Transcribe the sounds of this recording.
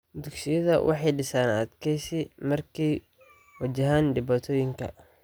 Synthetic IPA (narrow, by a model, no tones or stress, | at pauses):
d̪ʊɡsɪjɐðɐ̰wʔɑ̰ħɑjɖɪsaːnɐd̪kʰɛjsɪmɐrkʰɛj | wɐt͡ʃɐɦaːnɖɪβaːt̪ʰɔːjɪŋkʰɐ̰